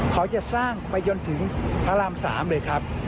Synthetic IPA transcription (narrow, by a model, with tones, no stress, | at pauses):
kɔ˧˦t͡ɕa˨˧˩saː˧˩ŋma˧˩jzɔ˧nt̪ʰɨ˨˦ŋpʰaː˨˦laː˧˩msa̰ː˨˦mɗəː˨˩jkʰaː˦˥p̚